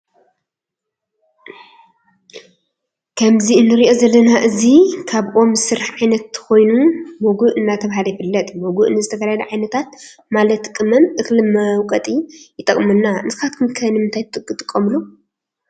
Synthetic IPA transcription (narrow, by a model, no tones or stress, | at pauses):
kʰɐmziɨnːɨɾiʔo̞zɐlːɐnaʔɨzikʰaβʔo̞mzɨsɨɾħʕajnɐt̪ʰːxo̞jnumoɡuʔɨnːat̪ʰɐβɦaljɪfɨlːɐt̪ʼmoɡuʔnɨzɨt̪ʰɐɡaaɐlɐʕajnɐt̪ʰat̪̚malɐt̪kʼɨmɐmʔɨxlɨmɐwkʼɐt̪ʼijɪt̪ʼɐkʼmɨnːanɨsɨkat̪̚kʰɨmkʰɐnɨmɨnt̪ʰajt̪ʰɨt̪ʼɨkʼɨt̪ʼɨkʼːɐmlu